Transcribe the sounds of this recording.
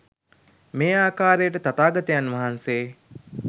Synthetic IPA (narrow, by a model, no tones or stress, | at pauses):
meːaːkaːɾejəʈət̪at̪aːɡɐt̪ijanʋɐɦanseː